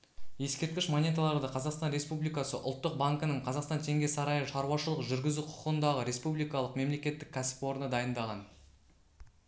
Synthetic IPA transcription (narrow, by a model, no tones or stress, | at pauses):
je̞skʲe̞ɾt̪̚kʲɪʃmonʲet̪alˠɑɾd̪əqʰɑzɑqst̪ɑnɾe̞spublijkɑsəʔʊ̰lˠt̪ːəq̚baŋkənəɴqʰɑzɑqst̪ɑnt̪ʰe̞ŋɡʲe̞sɑɾɑjəʃɑɾuwɑʃəlˠəqʒʏɾɡʲɪzuqʰʊ̥qənd̪ɑʁəɾe̞spublijkɑlˠəqme̞mle̞kʲe̞t̪ːɪkʲʰːæsɪ̥po̞ɾənəd̪ɑjənd̪ɑʁɑ̰n